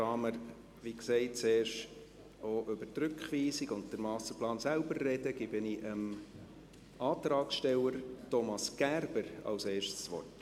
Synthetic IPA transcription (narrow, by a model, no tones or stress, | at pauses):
ɑːməɾ | ʋiksɛɪtt͡seːɾʃt | oʔʏbətɾʏkχʋiːsiɡʊnt̚d̥əɾmɑːsəplɑːnsæʊbərːɛd̥əɡ̥ɪb̥ɪniʔəm | ʔɑːt̪ɾɑːksʃtɛləɾtɔmɑsɡ̥ærb̥əɾɑ̰lseːɾʃtsʋɔ̰rt